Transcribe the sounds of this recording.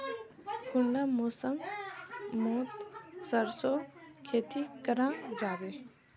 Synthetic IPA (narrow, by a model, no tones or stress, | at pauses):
kʊɳɖamoːsəŋ | moːt̪səɾsokʰeːt̪ikəɾãd͡ʒaːɡe